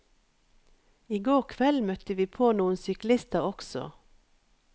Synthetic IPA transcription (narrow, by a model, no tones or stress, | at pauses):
iːɡoːʁkʰʋɛlmœt̪əʋiːpʰoːnuːənsʏklɪst̪əʁɔksɔ̰